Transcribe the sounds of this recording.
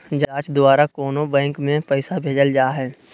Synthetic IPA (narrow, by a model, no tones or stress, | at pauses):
d͡ʒaːt͡ʃd̪oaːɾakoːnobɛ̃ːŋkmẽpɛɪsabʱeːd͡ʒəld͡ʒaːɦɛː